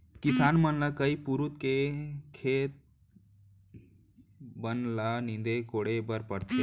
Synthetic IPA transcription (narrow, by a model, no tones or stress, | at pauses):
kisaːnmənlakəipuɾut̪kekʰeːt̪̚ | bənlanĩnd̪ekoɽebəɾpəɽt̪ʰe